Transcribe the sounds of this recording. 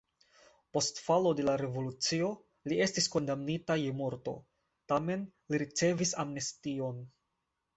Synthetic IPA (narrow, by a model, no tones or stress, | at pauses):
po̞stfalo̞de̞laɾe̞vo̞lut͡sio̞ | lie̞stisko̞ndamnitajemuɾto̞̰ | tame̞nliɾit͡se̞visamnestio̞n